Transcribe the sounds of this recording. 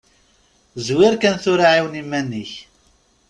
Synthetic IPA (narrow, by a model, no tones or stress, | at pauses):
zwɪɾkænθʊɾaʕiwnimːænːiç